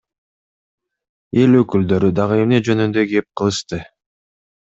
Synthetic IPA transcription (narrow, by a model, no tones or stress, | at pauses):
e̞løkyld̪ø̞ɾyd̪ɑʁɯe̞mne̞d͡ʒø̞nynd̪øɡe̞p̚qʰɯlˠɯʃt̪ɯ